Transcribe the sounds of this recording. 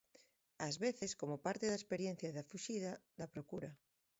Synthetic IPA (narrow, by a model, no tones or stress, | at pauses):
ɐzβeθeskomopaɾt̪eðaespeɾjen̟θjɐðɐfuʃiðɐðɐpɾokuɾɐ